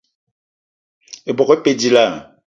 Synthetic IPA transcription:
e˨bɔ˨ɣpe˨di˨la˦˨

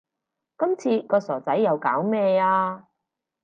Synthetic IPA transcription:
kɐ˥mt͡sʰiː˧kɔː˧sɔː˨˩t͡sɐ˨˥jːɐ˨˧wkaː˨˥wmɛː˧aː˧

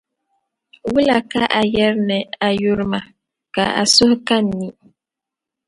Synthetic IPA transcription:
wu˦la˨ka˦ʔa˨jɛ˦ɾnɛ˨a˨ju˦ɾma˨ | ka̰˨a̰˨sʊ˦hka˦nː˨i˦

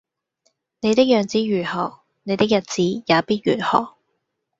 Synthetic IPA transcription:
ne˨˧jt̪ɪ˥k̚jœː˨ŋt͡siː˨˥ɥyː˨˩hɔ̰ː˨k̚ | ne˨˧jt̪ɪ˥k̚jɐ˨t̚t͡siː˨˥jaː˨˧piː˥t̚ɥy̰ː˨˩n̚hɔ̰ː˨˩k̚

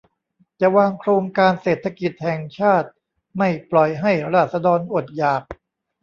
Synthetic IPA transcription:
t͡ɕa˨˩waː˧ŋkʰɾoː˧ŋkaː˧nseː˨˩t̪ʰa˧ki˨˩t̪̚hɛ˨˩ŋt͡ɕʰaː˥˩t̪̚ | ma˥˩jplɔ˨˩jɦa˥˩jɾaː˥˧˩t̪̚sa˧dɔː˧nʔo˨˩t̪̚jaː˨˩p̚

